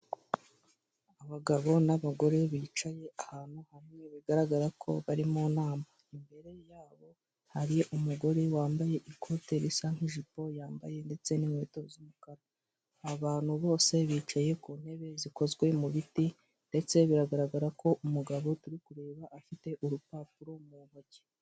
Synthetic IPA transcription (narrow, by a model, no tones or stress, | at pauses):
aβaɡaβo̞naβaɡo̞ɾe̞βiːt͡ʃaje̞ahaːn̥huhamŋe̞βiɡaɾaɡaɾakʰo̞̰βaɾimonaːmaimbe̞ɾe̞jaːβo̞ | haɾijeʔumuɡo̞ɾe̞waːmbaje̞ʔikʰote̞ɾisaŋ̥hiʒipo̞jaːmba̰je̞nde̞t͡se̞nimwetozumukaɾa | aβaːn̥huβo̞ːse̞βiːt͡ʃaje̞kuːn̥he̞βe̞ziko̞zɡwe̞muβiti | nde̞t͡se̞βiɾaɡaɾaɡaɾakʰo̞ʔumuɡaβo̞tuɾikuɾe̞ːβaʔːfite̞ʔuɾupaːp̚uɾomuβoɟe